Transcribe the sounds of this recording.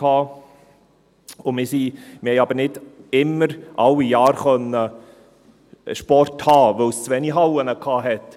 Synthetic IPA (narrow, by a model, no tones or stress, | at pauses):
ɑː | ʊmɪsimɪhɛɪɑb̥əɾnɪdɪmːəɾʔɑwːijɑːɾχœnːə | ʃpɔrthɑːʋəwst͡sʋɛniɦɑwənəkʰɑːɦɛt̪